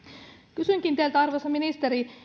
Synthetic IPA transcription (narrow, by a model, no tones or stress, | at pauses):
kysyŋkint̪ælt̪æɑrʋesɑminist̪eɾi